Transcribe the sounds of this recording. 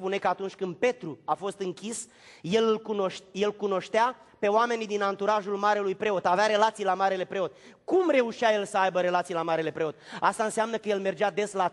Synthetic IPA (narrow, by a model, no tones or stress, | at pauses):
pune̞kəat̪unt͡ʃʲkɨnd̪̚pe̞t̪ɾuafo̞st̪ɨŋkʲis | je̞lɨlkunoʃje̞lkuno̞ʃt̪ea | pe̞owame̞nid̪inant̪uɾaʒulmaɾelujpɾe̞o̞t̪aveaɾe̞lat̪sijlamaɾele̞pɾe̞o̞t̪ | kumre̞uʃiaje̞lsəajbəɾe̞lat̪sijlamaɾe̞le̞pɾe̞o̞t̪ast̪aɨnsamnəkəje̞lme̞rd͡ʒad̪e̞sla